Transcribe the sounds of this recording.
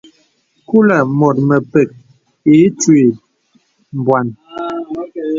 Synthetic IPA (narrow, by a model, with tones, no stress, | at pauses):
ku˦la˨mɔ˨t̚mə˨pɛ˨k̚ | e˨˦t͡ʃwe˨ | m˨bwa˨n